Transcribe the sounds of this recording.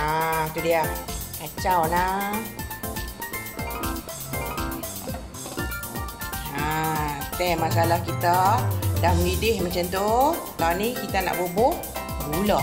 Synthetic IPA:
at̪udiakat͡ʃawna | at̪ɛmasalahkit̪adahməlidɪhmat͡ʃamt̪ukawnikit̪ana̰ʔbobʊʔ | ɡula

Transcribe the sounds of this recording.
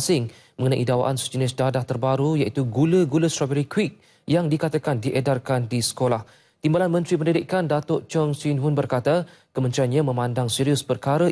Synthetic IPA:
sɪŋ | mə̃ŋənãʔidawa̰ʔansd͡ʒənɪsdadaht̪ərbaɾujaʔit̪uɡuləɡuləst̪ɾabəɾikwik̚ | jaŋdikat̪akandiʔɛdarkandisə̥kolah | t̪imbalanmə̃nt̪ɾipəndidɪʔkandat̪oʔt͡ʃɔŋsinɦʊnbərkat̪a | kəmənt̪ɾianɲãmə̃mãndaŋsiɾiʊspərkaɾə

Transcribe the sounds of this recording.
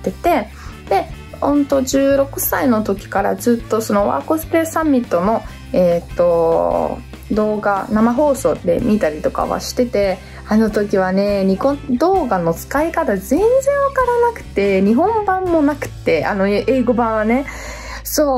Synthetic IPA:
t̪ːe̞t̪e̞ | d̪̥e̞ | hõ̞nt̪o̞d͡ʑɨːɾo̞kɯ̟saino̞t̪o̞kʲi̥kaɾa̰zɨːt̪ːo̞so̞no̞βa̰ːkozɨ̥pɾe̞sãmʲːit̪ːo̞no̞ | e̞ːt̪ːo̞ | d̪o̞ːɡanamaɦo̞ːso̞̰ːd̪e̞̰mʲit̪aɾʲit̪o̞ka̰βa̰ɕi̥t̪e̞t̪e̞ | ano̞t̪o̞k̬ʲiβane̞ɲ̟ikod̪o̞ːɡano̞t͡sɨ̥kaikat̪azẽ̞nd͡zẽ̞ɰ̃βakaɾanakɯ̟̥t̪e̞ɲ̟iɦõ̞mbãmːo̞nakɯ̟̥t̪ːe̞ano̞ʔe̞ːɡo̞bãɰ̃βane̞ | soː

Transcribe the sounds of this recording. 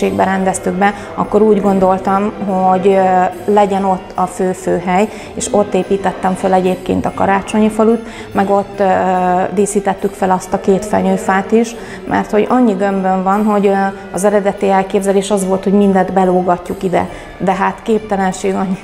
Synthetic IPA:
eːɡbɛɾɛnd̪ɛst̪yɡ̚bɛ | ɒkːo̞ɾuːɟɡo̞nd̪o̞lt̪ɒmɦoɟlɛɟɛno̞t̪ːɒføːføːɦɛj | eːʃo̞t̪ːeːpiːt̪ɛt̪ːɛɱfølɛɟeːpkḛːnt̪ɒkɒ̰ɾaːt͡ʃo̞ɲifɒlut̪ | mɛɡo̞t̪ː | d̪eːsiːt̪ɛt̪ːykfɛlɒst̪ɒkeːt̪fɛ̰ɲøːfaːt̪iʃ | mʔɛ̰rt̪ho̞ɟɒɲːiɡømbøɱvɒnɦo̞ɟ | ɒzɛɾɛd̪ɛt̪iɛlkeːbzɛleːʃɒzʋo̞lt̪ho̞ɟmind̪ɛnd̪bɛloːɡɒcːukid̪ɛ̰ | d̪ɛɦaːt̪keːp̚t̪ɛlɛnʃeːɡɒɲːi

